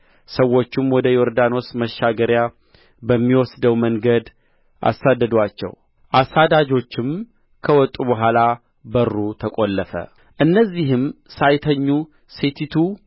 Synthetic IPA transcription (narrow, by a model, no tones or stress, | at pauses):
səwːo̞t͡ʃːɪmwɔd̪əjoɾd̪ano̞sməʃːaɡəɾja | bəmːiwɔsd̪əwməŋɡəd̪ | ʔa̰sːad̪ːəd̪wat͡ʃːɛ̰w | ʔasad̪ad͡ʒo̞t͡ʃːɪm | kʰəwɔt̪ʼːubəɦʷala | bərːut̪ʰəkʼolːəfə̰ | ʔɨnːəzːiɦɨmsajt̪ʰəɲːu | set̪ʰit̪ʰu